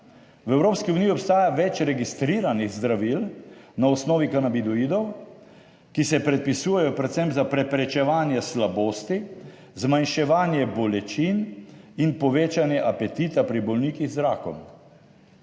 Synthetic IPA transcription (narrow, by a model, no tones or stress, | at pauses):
wɛwɾoːpskiuniːjiɔpst̪aːjaʋɛt͡ʃɾɛɡist̪ɾiːɾaniɣzd̪ɾaʋilnaɔsnɔːʋikanabid̪ɔiːd̪ɔw | kisɛpɾɛt̪̚pisuːjɛjɔpɾɛt̪sɛmpzapɾɛpɾɛt͡ʃɛʋaːnjɛslaboːst̪i | zmanʃɛʋaːnjɛbɔlɛt͡ʃininpɔʋeːt͡ʃanjɛʔapɛt̪it̪apɾibɔlniːkiɣzɾaːkɔ̰m